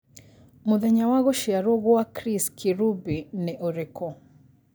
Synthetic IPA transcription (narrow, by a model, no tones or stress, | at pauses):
muðɛɲawaɣɔʃiaɾɔɣɔakɾiskʰiɾubinɛʔɔɾɛkɔ